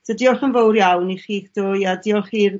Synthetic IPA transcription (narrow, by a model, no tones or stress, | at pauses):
sʰədiːɔlˠχənvowrjawniχiːkd̥ojadiːɔlˠχiːr